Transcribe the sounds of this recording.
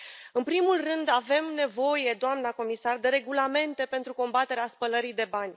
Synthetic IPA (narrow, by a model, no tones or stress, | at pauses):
ɨnpɾimulrɨnd̪ave̞mne̞vo̞je̞d̪oamnəko̞misard̪e̞ɾe̞ɡulame̞nt̪e̞pe̞nt̪ɾuko̞mbat̪e̞ɾeaspələɾid̪e̞banʲ